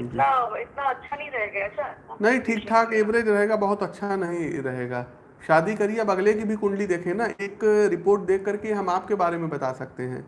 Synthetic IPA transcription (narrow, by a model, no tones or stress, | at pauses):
ɪt̪naɪt̪naɐtːʃʰanɐɦĩɾɐɦeːɡaɐʃʰanɐɦĩʈʰiːk̚ʈʰaːkeːbɾeːd͡ʒɾɐɦeːɡabɐɦʊt̪ɐtːʃʰanɐɦĩɾɐɦeːɡaː | ʃaːd̪ikɐɾieɐbɐɡlekibʱikʊ̃ɳɖlid̪eːkʰẽnaeːkɾɪpoːɾʈ̚d̪eːkʰːɐɾkeɦɐmaːp̚kebaːɾemẽbɐt̪aːsɐk̚t̪eɦɛ̰̃ː